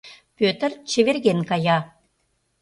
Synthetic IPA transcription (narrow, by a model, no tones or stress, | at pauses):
pøt̪ə̆rt͡ɕĕβerɣenkɑjɑ